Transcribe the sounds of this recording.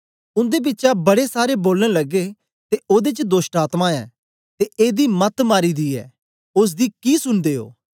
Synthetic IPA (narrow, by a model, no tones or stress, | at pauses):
ʊ̃nd̪eːb̬ɪtːʃabɐɽesaːɾeboːlnẽləɡːeː | t̪eoːd̪eːt͡ʃd̪oːsʈaːt̪mãɛ̰ː | t̪eʔeːd̪iːmɐt̪maːɾiːd̪iːɛ̰ː | ʊs̬d̪iːkiːsʊnd̪eːo̰ː